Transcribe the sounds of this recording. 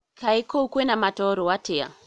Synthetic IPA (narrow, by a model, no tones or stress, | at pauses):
kʰaikoukwenamatɔɾowatea̰